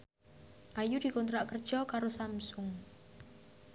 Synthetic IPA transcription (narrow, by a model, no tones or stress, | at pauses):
ʔajud̪̥i̤kunt̪ɾaʔkərd̥ʒ̥ɔkaɾosamsʊŋ